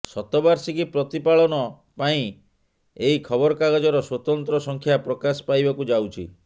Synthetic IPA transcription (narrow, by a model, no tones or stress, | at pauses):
sɔt̪ɔbaɾsikipɾɔt̪ipaɭɔnɔ | paĩ | eikʰɔbɔɾɔkaɡɔd͡ʒɔɾɔswɔt̪ɔnt̪ɾɔsɔŋkʰjapɾɔkasɔ̥pajbakud͡ʒawt͡ʃʰḭ